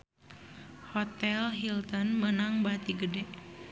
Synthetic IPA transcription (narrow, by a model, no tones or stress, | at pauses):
hɔt̪ɛlɦilt̪ənmənaŋbat̪iɡədɛ